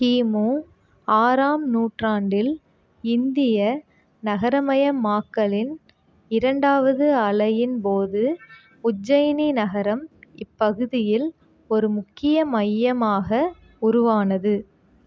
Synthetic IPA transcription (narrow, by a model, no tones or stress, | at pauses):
hiːmoː | aːɾaːmnuːʈraːɳɖɪl | ɪnd̪ɪjɐ | nɐɣɐɾɐmɐjɐmaːkːɐlɪn | ɪɾɐɳɖaːʋɐðɯɐɭɐjɪnpoːðɯ | ʊd͡ʒɐjninɐɣɐɾɐmɪpːɐɣɯðɪjɪl | ɔɾɯmʊkːɪjɐmɐjːɐmaːɣɐ | ʊɾʊʋaːnɐðɯ